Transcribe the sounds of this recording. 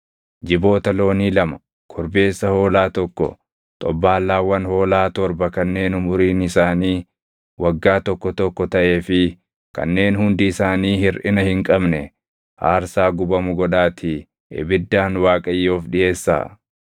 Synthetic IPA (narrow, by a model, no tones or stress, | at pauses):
d͡ʒɪbo̞ːt̪ɐlo̞ːniːlɐmɐ̥ | kʰɔɾbe̞ːsːɐho̞ːlaːt̪ɔkːɔ̰ | t̪ʼɔbːaːlːaːwɐnho̞ːlaːt̪ɔɾbɐkɐnːe̞ːnʊmʊɾiːnɪsaːniː | wɐɡːaːt̪ɔkːɔt̪ɔkːɔt̪ɐʔe̞ːfɪ | kɐ̰nːe̞ːnhʊnd̪ɪɪsaːniːhɪɾʔɪnɐhɪŋkʼɐbnɛ | ha̰ːɾsaːɡʊbɐmʊɡɔᶑaːt̪ʰɪ | ʔɪ̰bɪd̪ːaːnwaːkʼɐjːo̞ːfᶑɪʔe̞ːsːa̰ː